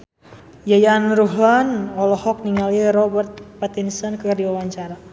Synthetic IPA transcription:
jajaːnruɦlanɔlɔhɔk̚niŋaliɾɔbərt̪̚pat̪insɔnkərdiwawaɲt͡ʃaɾa

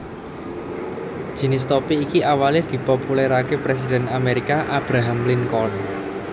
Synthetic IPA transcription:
d̥ʒ̥i̤nɪs̬t̪ɔpiːkiʔawaled̪̥i̤populɛɾakepɾes̬id̪̥ɛnameɾikaʔab̥ɾaɦamliŋkɔrn

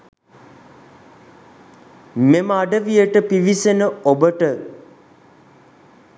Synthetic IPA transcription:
meməaɖəʋijəʈəpiʋisenəobəʈə

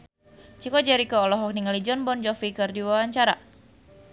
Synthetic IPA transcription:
t͡ʃikɔd͡ʒɛɾikɔːlɔɦɔk̚niŋalid͡ʒɔnbɔnd͡ʒɔfikɨrdiwawaɲt͡ʃaɾa̰

